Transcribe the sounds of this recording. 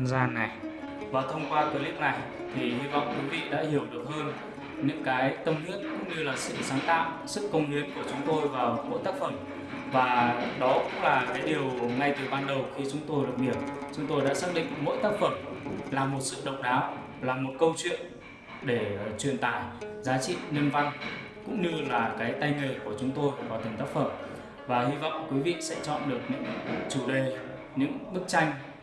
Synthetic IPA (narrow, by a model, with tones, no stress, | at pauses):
zaː˧na˨˩j | vaː˨˩wt̪ʰə˧wŋ͡mkwaː˧t̪əː˨˦li˦˥əp̚na˨˩j | t̪ʰi˨˩hi˧vɔ̰˧˨wŋ͡mkwi˨˦vḭ˧˨ɗa̰ː˧˥hi˧˩əwɗɨ˨˩ək̚həː˧n | ɲɨ̰˧˥ŋkaː˨˦jt̪ə˧mni˦˥ət̚kʊ̰˧˥ŋ͡mɲɨ˧laː˨˩sɨ̰˧˨saː˨˦nt̪a̰ː˧˨ʔ | sɨ˦˥kːə˧wŋ͡mni˧ənku˧˩ət͡ɕʊ˨˦ŋ͡mt̪o˧jvaː˨˩wmo̰˧˥jt̪aː˦˥k̚fə˧˩m | vaː˨˩ɗɔ˨˦kʊ̰˧˥ŋ͡mlaː˨˩kaː˨˦jɗi˨˩əwŋa˧jt̪ɨ˨˩ɓaː˧nɗə˨˩wxi˧t͡ɕʊ˨˦ŋ͡mt̪o˧jɗə˨˩p̚ni˧˩əm̚t͡ɕʊ˨˦ŋ͡mt̪o˧jɗa̰ː˧˥saː˦˥ɗḭ˧˨ŋmo̰˧˥jt̪aː˦˥k̚fə˧˩mlaː˨˩mo˨˩t̚sɨ̰˧˨ɗə̰˧˨wŋ͡mɗaː˨˦w | laː˨˩mo˨˩t̚kə˧wt͡ɕwḭ˧˨ən | ɗe˧˩t͡ɕwi˨˩ənt̪aː˧˩jzaː˨˦t͡ɕḭ˧˨ni˧ənva˧n | kʊ̰˧˥ŋ͡mɲɨ˧laː˨˩kaː˨˦jt̪a˧jŋe˨˩ku˧˩ət͡ɕʊ˨˦ŋ͡mt̪o˧jvaː˨˩t̪i˨˩ŋ̟t̪aː˦˥k̚fə˧˩m | vaː˨˩hi˧vɔ̰˧˨wŋ͡mkwi˨˦vḭ˧˨sɛ̰˧˥t͡ɕɔ̰˧˨nɗɨ˨˩ək̚ɲɨ̰˧˥ŋt͡ɕu˧˩ɗə˨˩j | ɲɨ̰˧˥ŋɓɨ˦˥k̚t͡ɕa˧jŋ̟